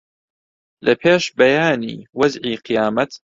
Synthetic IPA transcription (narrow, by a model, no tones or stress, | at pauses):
lʔɐpʰeːʃbɐjaːnḭːwɐzʕiːqʰɨjaːmɐt̪